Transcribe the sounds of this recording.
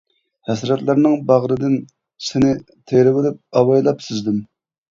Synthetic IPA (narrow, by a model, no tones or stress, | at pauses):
hɛsɾɛt̪lˠɑɾnɨŋbɑʁɾɨd̪ɪn | sɪnɪ | t̪ʰeɾɪwɪlɪp̚ɑwɑjlˠɑpsɪzd̪ɪm